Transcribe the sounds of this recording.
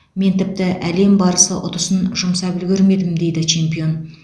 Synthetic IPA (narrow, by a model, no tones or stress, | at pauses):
me̞nt̪ʰɪp̚t̪ɪʔæle̞mbɑɾəsəʔʊt̪əsənʒʊmsɑbʏlɡʲɪɾme̞d̪ɪmd̪e̞jd̪ɪt͡ʃʰe̞mpio̞n